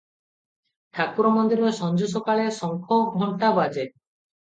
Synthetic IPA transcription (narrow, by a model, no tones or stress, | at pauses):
ʈ̪ʰakuɾɔmɔnd̪iɾɔsɔnd͡ʒusɔkaɭesɔŋkʰɔɡʱɔɳʈabad͡ʒe